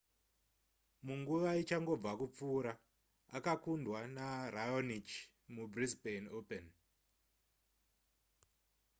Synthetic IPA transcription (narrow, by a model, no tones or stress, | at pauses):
muŋɡuʋait͡ʃaŋɡo̞b͡vakup͡fuːɾa | akakundwanarajonit͡ʃ | mubrizbenopen